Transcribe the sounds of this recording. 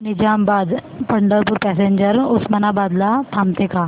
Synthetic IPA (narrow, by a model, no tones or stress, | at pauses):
nɪd͡ʒaːmbaːd̪pəɳɖəɾpʊɾpɛːseɲd͡ʒəɾʊsmɐnabaːd̪lat̪ʰaːmt̪ekʰaː